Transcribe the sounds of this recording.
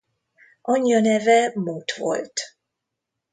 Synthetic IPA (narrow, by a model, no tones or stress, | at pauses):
ʔɒɲːɒnɛvɛmuːt̪vo̞̰lt̪